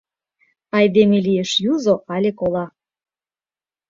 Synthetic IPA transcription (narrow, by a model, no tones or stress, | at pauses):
ɑjd̪emelijeʃjuzoʔɑlʲekolɑ